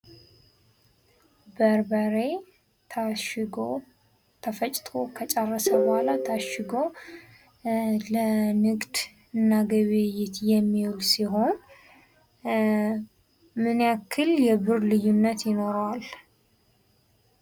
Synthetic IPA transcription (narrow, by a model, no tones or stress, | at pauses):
bəɾbəɾe̞ | t̪ʰaʃɡo | t̪ʰəfət͡ʃʼt̪ʰo̞kʰət͡ʃʼərːəsəbɔhalat̪ʰaʃɪɡo̞ | lənɨkʼd̪ | ɨnːaɡəβejɪt̪jɛmːiwlsiɦo̞n | mɨnakʰːɨljɛbɨɾlɨjːunːət̪jɪno̞ɾwal